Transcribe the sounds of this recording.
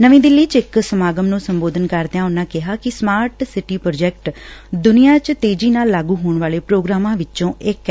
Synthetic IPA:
nəʋĩːd̪ɪlːiːt͡ʃɪksəmaːɡəmnũːsəmboːd̪ənkəɾd̪eãːʊnːãːkɪɦaːkɪsmaːɾʈsɪʈiːpɾoːd͡ʒɛːk̚ʈd̪ʊnijãːt͡ʃt̪eːd͡ʒiːnaːlːaːɡuːɦoːɳʋaːleːpɾoːɡɾaːmãːʋɪt͡ʃõːʔɪk

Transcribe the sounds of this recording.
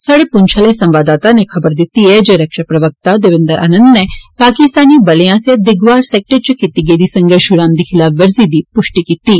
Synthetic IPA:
saːɽepʊnt͡ʃʰaːlesɐ̃mʋaːd̪aːt̪anexʰɐbəɾd̪ɪt̪iɛd͡ʒeɾɐkʃapɾɐʋək̚t̪ad̪eʋɪnd̪əɾʔa̰ːnə̃nd̪nepaːkɪst̪aːnibɐlejãsjed̪ɪɡʋaːɾsɛːk̚ʈəɾt͡ʃəkit̪iɡeːd̪isɐ̃ŋɡəɾʃʊɽaːmd̪ixʰɪlaːfʋɐɾzid̪ipʊʃʈikit̪iː

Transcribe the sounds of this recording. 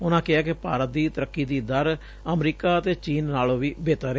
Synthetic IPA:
ʊnãːkɪaːkɪpaːɾət̪̚d̪iːt̪əɾəkːiːd̪iːd̪əɾ | əmɾiːkaːət̪eːt͡ʃiːnːaːlõːʋiːbeːt̪əɾeː

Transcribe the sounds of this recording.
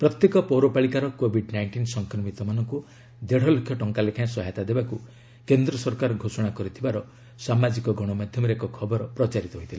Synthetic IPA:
pɾɔt̪jekɔpɔɾopaɭikaɾɔkobʱiɖnajɳʈinsɔŋkɾɔmit̪ɔmanɔŋku | d̪eɽ̤ɔlokʰjɔʈɔŋkalekʰãsɔɦajt̪ad̪ebaku | kend̪ɾɔsɔɾkaɾɔɡʱosɔɽ̃akɔɾit̪ʰibaɾɔ | samad͡ʒikɔɡɔɽ̃ɔmad̪ʱjɔmɔɾekɔkʰɔbɔɾɔpɾɔt͡ʃaɾit̪ɔɦojt̪ʰila

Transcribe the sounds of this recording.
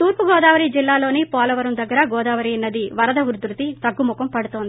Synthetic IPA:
t̪uːɾpuɡɔːd̪aːʋɐɾid͡ʒilːaːlo̞ːnipaːlɐʋɐɾɐmd̪ɐɡːɐɾɐɡɔːd̪aːʋɐɾiɐnːɐd̪iʋɐɾɐd̪ɐʋuɾd̪ɾut̪it̪ɐɡːumukɐmpɐɽut̪oːnd̪i

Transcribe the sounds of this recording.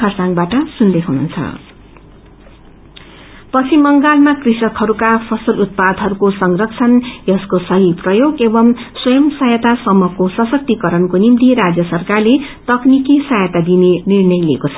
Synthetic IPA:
kʰʌrsaŋbaʈʌsund̪ekʰunṵnt͡sʰʌ̰ | pʌt͡sʰimːʌŋɡalmakrisʌkhʌɾukapʰʌsʌlut̪̚pad̪ʱɦʌɾukosʌŋrʌkt͡sʰʌnjʌskosʌɦiprʌjoɡebʌmswʌjʌmsʌjʌt̪asʌmːʌkosʌsʌk̚t̪ikʌɾʌnkonimt̪iɾad͡zjʌsʌrkarlet̪ʌknikisʌjʌt̪ad̪inenirnʌjlḭkot͡sʰʌ̥

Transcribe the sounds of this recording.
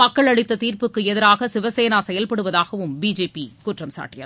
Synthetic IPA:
mɐkːɐɭɐɽɪt̪ːɐt̪iːɾpɯkːɯɛðɪɾaːɣɐsɪʋɐseːnaːsɛjɐlpɐɽɯʋɐðaːɣɐʋɯmbiːd͡ʒeːpikuːʈrɐmsa̰ːʈːɪjɐ̰

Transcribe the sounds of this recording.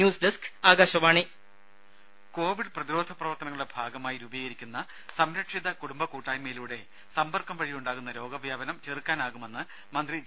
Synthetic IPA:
juːsɖeskaːɡaːɕɐmaːɳi | ko̞ːʋiɖprɐðiɾo̞ːd̪ʱɐprɐʋɐrt̪ɐnɐŋːɐɨɽebʱaːɡɐmaːjiɾuːbiːɣɐɾikʲːunːɐ | sɐmɾɐkʂiðɐkuɽumbɐkuːʈːaːjmeːluːɽe̞ | sɐmbɐrkɐmʋɐɻijuɳɖaːɣunːɐɾo̞ːɡɐʋjaːbɐnɐmt͡ɕerikːaːnaːɣume̞nːɨ | mɐnd̪ri

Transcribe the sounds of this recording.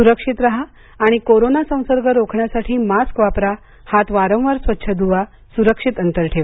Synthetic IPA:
suɾəkʂit̪ɾaɦaː | ɽ̃ikoɾonasə̃w̃səɾɡəɾokʰɳjasaʈʰiːmaskʋapɾa | hat̪ʋaɾə̃w̃ʋəɾsʋət̪ːɕʰəd̪uʋa | suɾəkʂit̪ənt̪əɾʈʰeʋa

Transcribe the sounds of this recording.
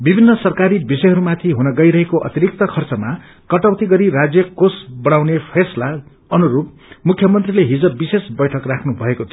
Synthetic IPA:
bibʱinːʌsʌrkaɾibisʌjɦʌɾumat̪ʰiɦunʌɡʌjɾʌɦekoʔʌ̰t̪iɾik̚t̪ʌkʰʌrt͡sʌma | kʌʈawt̪iɡʌɾirad͡zjʌkosbʌɽ̃awnepʰesla | ʌnuɾup̚ | mukʰjʌmʌnt̪rileɦid͡zʌbbisesbʌjʈʰʌkrakʰnubʱʌekot̪ʰio

